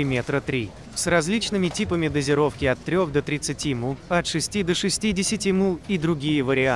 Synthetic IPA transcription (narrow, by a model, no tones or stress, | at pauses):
ɪmʲet̪ɾət̪ɾʲi | srɐzʲlʲit͡ɕnɨmʲɪtʲipəmʲɪd̪əzʲɪɾo̞fkʲɪɐt̪ːɾʲo̞xd̪ət̪ɾʲɪt̪sɨtʲimuɐt̪ʂɨsʲtʲid̪əʂɨsʲtʲidʲɪsʲɪtʲimuid̪ɾʊɡʲijəvəɾʲɪa